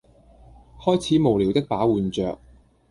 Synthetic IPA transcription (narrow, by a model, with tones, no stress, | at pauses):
hɔː˥jt͡sʰiː˨˥mo˨˩wliː˨˩wt̪ɪ˥k̚paː˨˥wuː˨˧nt͡ʃœ̰ː˨k̚